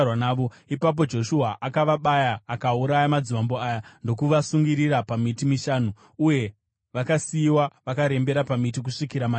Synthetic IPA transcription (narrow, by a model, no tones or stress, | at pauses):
wanaːʋo | ipap̬o̞d͡ʒo̞ʃuɦaʔakaʋaɓajaːkauɾajamad͡zimambo̞ajando̞kuʋasuŋɡiɾiɾapamitimiʃaːnu | uje̞ | ʋakasiːwaʋakaɾe̞mbe̞ɾapamitik̬uʂikiɾama